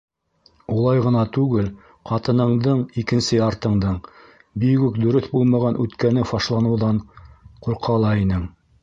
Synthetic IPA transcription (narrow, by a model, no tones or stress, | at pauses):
ulˠɑjʁɤ̆nɑt̪ʉɡɘl | qɑt̪ɤ̆nɤ̆ɴd̪ɤɴikɘ̆nsɘɑɾt̪ɤ̆ɴd̪ɤɴ | bikʉkd̪ɵ̆ɾɵθbulˠmɑʁɑnʔʉt̪kænɘfɑʃlˠɑnɤ̆wðɑɴquɾqʰɑlˠɑinɘŋ